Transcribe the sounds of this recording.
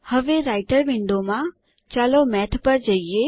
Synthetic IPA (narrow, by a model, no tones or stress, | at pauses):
hɐʋeɾaːɪʈəɾʋɪ̃ɳɖomã | t͡ɕaːlomɛːt̪ʰpɐɾd͡ʑɐie